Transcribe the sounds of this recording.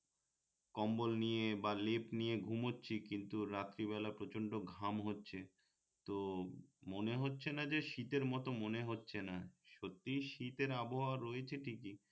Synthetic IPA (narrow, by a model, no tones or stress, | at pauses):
kɔmbolnijebalepnijeɡʱumotːɕʰikint̪uɾat̪ːɾibɛlapɾot͡ɕoɳɖoɡʱamɦotːɕʰe | t̪omoneɦotːɕʰenad͡ʑeʃit̪eɾmɔt̪omoneɦotːɕʰenaʃot̪ːiʃit̪eɾaboɦaɾoet͡ɕʰeʈʰiki